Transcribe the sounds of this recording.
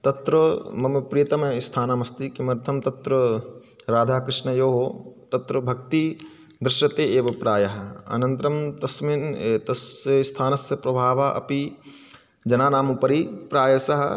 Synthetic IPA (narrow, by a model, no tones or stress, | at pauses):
t̪ɐt̪ɾɐmɐmpɾijɐt̪ɐmist̪ʰaːnamɐst̪ikimɐɾt̪ʰɐmt̪ɐt̪ɾɐ | ɾaːd̪ʱaːkɾɪʂnɐjoːɦoːt̪ɐt̪ɾɐbʱɐk̚t̪i | d̪ɾɪʃjɐt̪eːeːʋɐpɾaːjɐɦɐ̆ɐ̰nɐnt̪ɾɐmt̪ɐsmiːnːt̪ɐsɐst̪ʰaːnɐsjɐpɾɐbʱaːʋaʔɐ̰pi | d͡ʒɐnaːnaːmupɐɾipɾaːjɐsɐɦɐ̰